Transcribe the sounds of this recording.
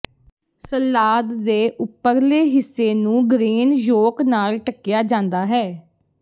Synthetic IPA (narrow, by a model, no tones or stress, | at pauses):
səlːaːd̪ːeːʔʊpːəɾleːɦɪsːeːnũːɡɾeːnjoːknaːlʈəkːɪjaːd͡ʒãːnd̪aːɦɛː